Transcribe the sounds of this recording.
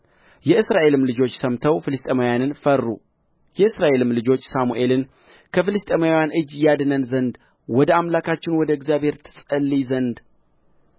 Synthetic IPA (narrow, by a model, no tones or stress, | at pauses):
jɛɨsɾaʔe̞lɨmlɨd͡ʒo̞t͡ʃːsəmt̪ʰəwfɨlɨst̪ʼemawjanɨnfərːṵ | jɛɨsɾaʔe̞lɨmlɨd͡ʒo̞t͡ʃːsamuʔe̞lɨn | kʰəfɨlɨst̪ʼemawjanʔɨd͡ʒjad̪ɨnənzənd̪ | wɔd̪əamlakʰat͡ʃːɪnwɔd̪əɪɡzjaβhe̞ɾt̪ʰɨ̥sʼəlːizənd̪